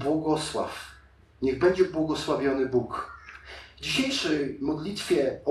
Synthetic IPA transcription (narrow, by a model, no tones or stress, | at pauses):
bwɔɡɔswa̰f | ɲɛɣbɛɲd͡ʑɛbwɔɡɔswavʲjɔnɘbuk | vd͡ʑiɕejʂɛjmɔd̪lʲit̪fʲjɛɔ